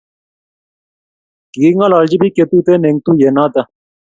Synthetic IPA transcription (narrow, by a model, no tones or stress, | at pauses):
kiːŋalaːld͡ʑibiket̪uːt̪eneŋɡ̚t̪uːjenaːt̪ɐ